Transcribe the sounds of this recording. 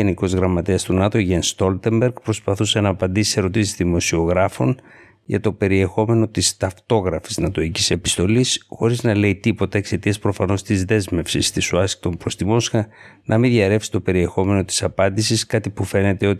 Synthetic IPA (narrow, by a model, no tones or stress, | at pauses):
eniko̞zɣɾɐmːɐt̪eɐst̪unɐt̪o̞ʝenst̪o̞lt̪e̞mbe̞ɾɡpɾo̞spɐθuse̞nɐːpɐnd̪isi̥se̞ɾo̞t̪isizðimo̞sio̞ɣɾɐfo̞̰n | ʝɐ̰t̪o̞pe̞ɾie̞xo̞me̞no̞t̪ist̪ɐft̪o̞ɣɾɐfi̥znɐt̪o̞icise̞pi̥st̪o̞lisxo̞ɾiznɐle̞it̪ipo̞t̪ɐekse̞t̪iɐspɾo̞fɐno̞st̪izðe̞zme̞fsist̪isuɐsi̥kt̪o̞mpɾo̞st̪imo̞sxɐnʔɐmiðʝɐɾe̞fsi̥t̪ope̞ɾie̞xo̞me̞no̞t̪i̥sɐpɐnd̪isiskɐt̪ipufe̞ne̞t̪e̞o̞t̪